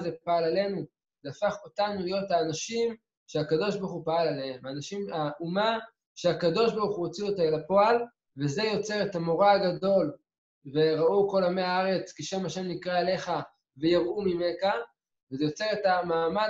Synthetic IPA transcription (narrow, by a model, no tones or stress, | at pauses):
zepaalale̞nu | zafaχo̞tanulijo̞thaːnaʃim | ʃeakado̞ʃbaʁχupaalaleemaːnaʃimaʔuma | ʃeakado̞ʃbaʁuχuot͡siotaelapo̞al | ve̞ze̞jo̞t͡se̞ʁetamo̞ʁaaɡado̞l | ve̞ʁauko̞lameaaʁe̞t͡skiʃamaʃe̞mnikʁaale̞χa | vejaʁumimeka | vezejo̞t͡se̞ʁetamaːma